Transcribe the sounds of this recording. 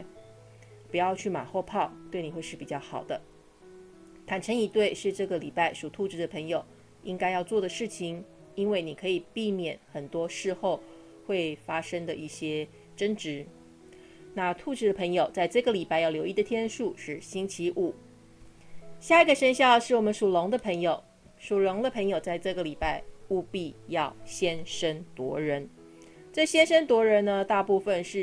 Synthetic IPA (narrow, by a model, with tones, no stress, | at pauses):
pu˨˧˥jɑ˥˧ʊt͡ɕʰy˥˩ma̰˨˩xwɔ˥˧pʰɑ˥˩ʊt̪we˥˩ɪni˨˩xwe˥˧ɪʂɻ̩˥˩pi˨˩t͡ɕjɑ˥˩ʊxɑ˨˩ʊd̪ə˦ | t̪ʰa˨˩nʈ͡ʂʰə˧˥ŋi˧˥t̪we˥˧ɪʂɻ̩˥˧ʈ͡ʂɤ˥˩ɡə˩li˨˩pa˥˩ɪʂu˨˩t̪ʰu˥˧˩ʈ͡ʂɻ̩˧˥d̪ə˧pʰɤ˧˥ŋjo˨˩ʊ | i˥ŋka˥ɪjɑ˥˧ʊt͡swɔ˥˩d̪ə˩ʂɻ̩˥˩t͡ɕʰi˧˥ŋ | i˥nwe˥˩ɪni˨˩kʰɤ˧˥i˨˩pi˥˩mjɛ˨˩˦nxə˨˩nt̪wɔ˥ʂɻ̩˥˧xo˥˧ʊ | xwe˥˩ɪfa˥ʂə˥ŋd̪ə˨ʔi˥˩ɕjɛ˥ | ʈ͡ʂə˥nʈ͡ʂɻ̩˧˥ | na˥˧t̪ʰu˥˧ʈ͡ʂɻ̩˥˩d̪ə˩pʰɤ˧˥ŋjo˨˩ʊt͡sa˥˧ɪʈ͡ʂɤ˥˩ɡə˩li˨˩pa˥˧ɪjɑ˥˩ʊljo˧˥ʊi˥d̪ə˨t̪ʰjɛ˥nʂu˥˧ʂɻ̩˥˩ɕi˥ŋt͡ɕʰi˧˥ʔu˨˩˦ | ɕja˥˩i˧˥ɡə˩ʂə˥nɕjɑ˥˧ʊʂɻ̩˥˩wɔ˨˩mə˦nʂu˨˩lʊ˧˥ŋd̪ə˧pʰɤ˧˥ŋjo˨˩ʊ | ʂu˨˩lʊ˧˥ŋd̪ə˧pʰɤ˧˥ŋjo˨˩ʊt͡sa˥˧ɪʈ͡ʂɤ˥˩ɡə˩li˨˩pa˥˧ɪu˥˧pi˥˧jɑ˥˩ʊɕjɛ˥nʂə˥nt̪wɔ˧˥ɻə˧˥n | ʈ͡ʂɤ˥˩ɕjɛ˥nʂə˥nt̪wɔ˧˥ɻə˧˥nnə˧t̪a˥˧pu˥˧˩fə˨nʂɻ̩˥˩